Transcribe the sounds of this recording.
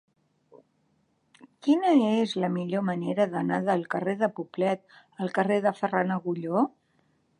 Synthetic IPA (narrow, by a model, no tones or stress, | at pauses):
kinəezləmiʎoməneɾəðənaðəlˠkəreðəpuplɛt̪̚ | əlˠkəreðəfəranəɣuʎo